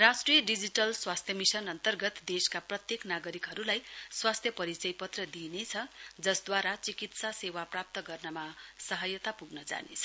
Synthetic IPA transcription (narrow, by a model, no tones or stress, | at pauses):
rasʈrijʌɖid͡ziʈʌlswast̪ʰjʌmisʌnʌnt̪ʌrɡʌt̪d̪eskaprʌt̪jeknaɡʌɾikɦʌɾulajswast̪ʰjʌpʌɾit͡sʌjpʌt̪rʌd̪inet͡sʰʌd͡zʌsd̪waɾat͡sikit̪sasewaprap̚t̪ʌɡʌrnʌmasʌɦʌjʌt̪apuɡnʌd͡za̰nḛt͡sʰʌ̥